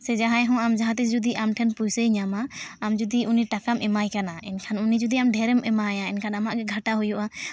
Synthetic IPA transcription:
sɛd͡ʒaɦãjɦɔ̃amd͡ʒaɦãt̪̬is̬d͡ʒud̪iʔamʈʰɛnpujsəjɲamaːmd͡ʒud̪iʔuniʈakamɛmajkanainkʰanunid͡ʒud̪iamɖʱɛɾɛmɛmajainkʰanamaʔɡɛɡʱaʈaɦujuʔa

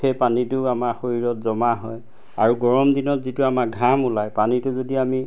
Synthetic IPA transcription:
ejpanitʊamaɹxoɹiɹɔtzɔmaɦɔj | aɹuɡɔɹɔmdinɔtzitʊamak̚ɡʱamulajpanitʊzodiami

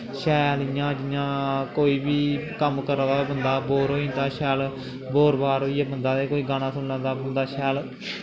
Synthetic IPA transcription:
ʃɛːlijãːd͡ʒɪjãːkoːiːbiːkəmkəɾd̪abənd̪aːboːɾɦoːĩːnd̪aːʃɛːl | boːɾbaːɾɦoːiːeːbənd̪aːd̪eːkoːiːɡaːñãːsʊnlãːnd̪aːbənd̪aːʃɛːl

